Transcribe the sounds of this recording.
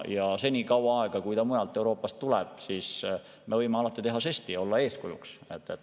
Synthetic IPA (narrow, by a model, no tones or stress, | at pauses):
jɑse̞nʲikɑwɑɑˑeɡ̥ɑkujt̪ɑmujɑlt̪ːˑe̞wɾo̞ːpːˑɑst̪ːulɛb̥̚sis | me̞vɤjmeɑlɑt̪ːˑit̪e̞ɦɑsest̪io̞lːɑe̞ːskujṵkset̪ːet̪ː